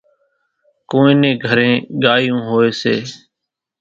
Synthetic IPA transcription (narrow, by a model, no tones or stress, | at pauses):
kõːẽːnẽːɡʱəɾẽːɡaːjõːɦoːeːsḛː